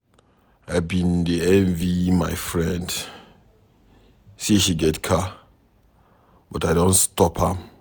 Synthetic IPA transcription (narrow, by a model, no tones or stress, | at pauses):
aɪbĩndiɛ̃nvimajfɹɛ̃nd | siʃiɡɛtkʰa | b̥ɔtaɪdõntstɔpha